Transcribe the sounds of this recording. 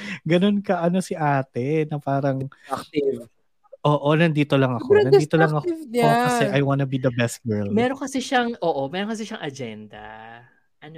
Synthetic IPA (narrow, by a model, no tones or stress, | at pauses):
ɡɐno̞nkɐʔɐno̞sɪʔaːt̪ɛnɐpaːɾɐŋiv | ʔoːʔonɐnd̪iːt̪olɐŋɐkonɐnd̪iːt̪olɐŋɐkɐsɛʔɐjwanɐbiːd̪ɐbɛst̪̚ɡɛɹlmɛːɾokɐsɛʃɐŋʔoːʔomɛːɾoŋkɐs̬ɪʃɐŋʔɐd͡ʒɛnd̪ɐ̰ | ʔɐn